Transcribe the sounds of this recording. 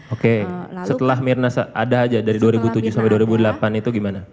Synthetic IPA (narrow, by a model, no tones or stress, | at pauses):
okesət̪əlahmirnasaadaːd͡ʒadaɾiduaɾibut̪ud͡ʒʊhsampɛjduwaɾibudəlapanit̪uɡimana